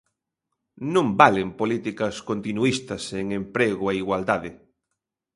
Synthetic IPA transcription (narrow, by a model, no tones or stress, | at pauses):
nõmbalempolit̪ikɐskont̪inuist̪ɐseŋempɾeɣoeiɣwald̪aðɪ